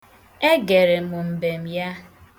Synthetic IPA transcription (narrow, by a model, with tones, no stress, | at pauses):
e˦ɡe˨ɾe˨mʊ˨m̩˨be˨m̩˨ja˦